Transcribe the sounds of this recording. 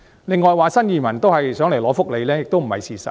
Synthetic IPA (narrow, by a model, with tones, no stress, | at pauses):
lɪ˨˧ŋːɔː˨jwaː˨˧sɐ˥njiː˨˧mɐ˨˩nt̪o˥whɐ˨jsœː˨˥ŋle˨˩jlɔː˨˥fʊ˥k̚le˨˧jlɛː˥jɪ˨k̚t̪o˥wm̩˨˩hɐ˨jsiː˨sɐ̰˨